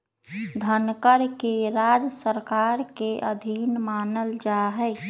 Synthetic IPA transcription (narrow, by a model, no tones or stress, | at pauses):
d̪ʱənkəɾkeɾaːd͡ʒsəɾkaɾkeʔəd̪ʱiːnmaːnəld͡ʒaɦɛ